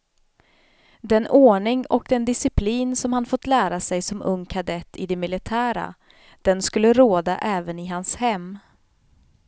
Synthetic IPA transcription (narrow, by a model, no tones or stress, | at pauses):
d̪ɛnoːɳɪŋɔk̚d̪ɛnd̪ɪsɪpʰliːnsɔmhanfɔt̪ːlæːɾasɛjsɔmɵŋːkʰad̪ɛt̪ʰːɪd̪ɛmɪlɪt̪ʰæːɾa̰ | d̪̥ɛnskɵlːəɾoːd̪a̰ʔɛːvənɪɦanshɛmː